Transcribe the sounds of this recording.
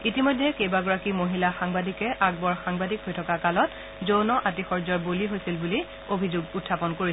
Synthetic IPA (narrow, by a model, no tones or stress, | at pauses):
itimojdʱɛkejbaɡɔɹakimoɦilaxaŋbadʱikɛʔaɡ̚bɔɹxaŋbadikhojtʰɔkakalɔt | zownɔʔatixɔɹzɔɹboliɦojsilbuli | obʱizʊɡutʰːapɔnkoɹi